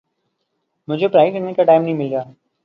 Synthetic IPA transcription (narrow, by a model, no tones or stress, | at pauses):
mʊd͡ʒʱepɾaːjkɐɾnekaʈaːɪmnɐɦĩmɪlɡjaː